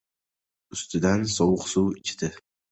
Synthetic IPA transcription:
ʊst̪ɨd̪ansɒwʊqsuwɪt͡ʃʰɪ̥d̪ɪ

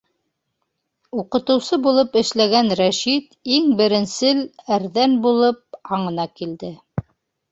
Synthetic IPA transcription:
uqɤ̆t̪ɤ̆wsɤbulˠɤpɘ̆ʃlæɡænɾæʃit̪iŋbɘ̆ɾɘ̆nsɘlæɾðænbulˠɤp̚ɑɴɤ̆nɑkild̪ɘ

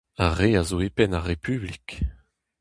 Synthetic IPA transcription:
aʁeazoepɛnaʁepʰyblik

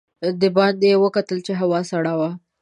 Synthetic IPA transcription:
d̪əbɑnd̪ewəkat̪əlt͡ʃeɦawɑsaɽawa

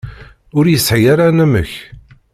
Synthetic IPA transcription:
ʊɾjəsːʕjaɾanæmə̰ç

